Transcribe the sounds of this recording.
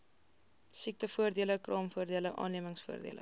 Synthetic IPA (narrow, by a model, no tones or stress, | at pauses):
sik̚təfuərdiələkrɑːmfuərdiələʔɑ̰ːnliəməŋsfuərdḭələ̰